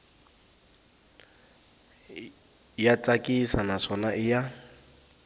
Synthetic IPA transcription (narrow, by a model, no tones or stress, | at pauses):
jat͡sʼakʼisanaʂɔnaʔɪja